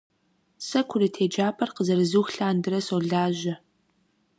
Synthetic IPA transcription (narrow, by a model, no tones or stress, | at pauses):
sɐkʷʰʊɾɨtʰeːd͡ʒaːpʰɐrqəzɐɾɨzuːxɬaːndɨɾɐsoːɮaːʑɐ